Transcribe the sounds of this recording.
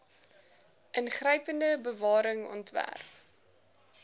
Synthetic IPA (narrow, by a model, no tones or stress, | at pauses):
ʔənχrəjpəndəbəvɑːɾəŋɔ̰ntvæ̰rp